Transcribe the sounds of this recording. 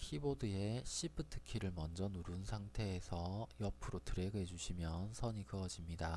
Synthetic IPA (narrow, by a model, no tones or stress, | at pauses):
kʰibodɯe̞ɕʰipʰɯtʰɯ̥kʰiɾɯɭmʌnd͡ʑʌnuɾunsʰaŋtʰe̞ːsʰʌjʌpʰɯɾotɯɾe̞ɡɯed͡ʑuɕʰimjʌnsʰʌɲikɯʌd͡ʑimɲida